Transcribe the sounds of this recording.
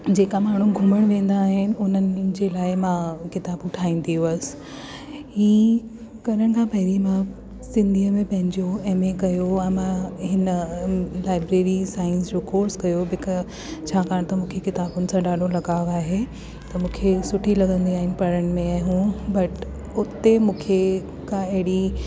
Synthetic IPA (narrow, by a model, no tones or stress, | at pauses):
d͡ʑeːkamaːɳ̤ũɡʱʊməɽ̃ʋẽːn̆d̪aːɦɪnɪ̆ʊn̤ənɪ̆d͡ʑelaːɪmãkɪt̪aːbʊʈʰaːĩn̆d̪ʱiuəsɪ̥ | ɦiː | kɐɾəɽ̃kʰãːpɐɦɪɾimã | sɪ̃nd̪ʱiəmẽpɐ̃ɦɪ̃ɲd͡ʑoɛ̃ːmẽkɐjoɛ̃ːmãɦɪnəlaːɪbɾeːɾisaːɪnsɾɪkoːɾɖskɐjobɪk | t͡ɕʰaːkaːɽ̃t̪ɐmũːkʰekɪt̪aːbʊnɪ̆sãɗaːɗolɐɡaːaːɦe | t̪ɐmũːkʰesʊʈʰilɐɡə̃nd̪iaːɦɪ̃n̆pɐɾəɽ̃̆mẽaːɦũbɐʈ | ʊt̪emũːkʰe | kʰãɐɦɪɽi